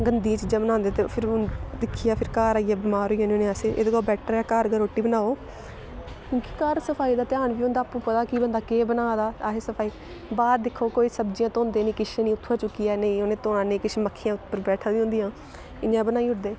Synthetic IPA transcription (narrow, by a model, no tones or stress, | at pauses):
ɡənd̪ĩaːt͡ʃd͡ʒəmnãːnd̪eːt̪eːpʰɪɾd̪ɪkʰːijaːpʰɪɾkaːɾaːijaːbɪmaːɾoːiːoːnonẽːaseːʔḛːd̪eːkoːbɛːʈʰːɾɛːkaːɾɡəɾoːʈːiːbənaːoː | kjõːkikəɾsəpʰaːiːd̪aːt̪ɪaːɳbiːõnd̪aːpːũːpət̪aːkiːbənd̪aːkeːbənaːd̪aːaɦeːsəpʰaːiː | baːd̪d̪ɪkʰːoːkoːiːsəbd͡ʒijãːt̪õːnd̪eːnĩːkɪʃãːnĩːʊt̪ʰːaːt͡ʃʊkːijɛːnəĩːonẽːt̪oːɽãːnẽːkɪʃməkʰːejãːʊt̪ʰpəɾbɛːʈʰaːd̪iːõːnd̪ijãː | ɪnjãːbənaːiːʊɾd̪eː